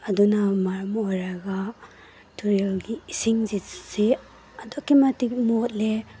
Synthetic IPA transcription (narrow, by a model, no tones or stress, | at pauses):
ɐdunamaɾmojɾɐɡa | tʰuɾelɡiːsiŋzisi | ɐdokːimatik̚mot̚le